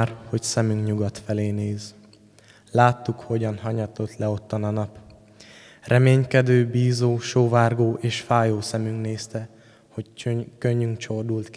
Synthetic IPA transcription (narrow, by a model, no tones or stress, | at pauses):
rho̞csɛmyŋkɲuɡɒt̪fɛleːneːz | laːt̪ːukho̞ɟɒnɦɒɲɒt̪o̞t̪lɛo̞t̪ːɒnɒnɒp | rɛmeːɲkɛd̪øːbiːzoːʃoːvaːrɡoːʔeːʃfaːjoːsɛmyŋkneːst̪ɛ | hockøɲːyŋkt͡ʃord̪ult̪k